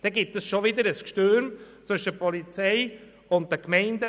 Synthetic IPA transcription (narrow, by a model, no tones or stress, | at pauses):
d̥ɛɡitəsʃoʋɪd̪əɾəskʃtøːɾmt͡sʏʃəpʰɔlit͡sɛɪ | ʊnt̚dəkmɛɪndə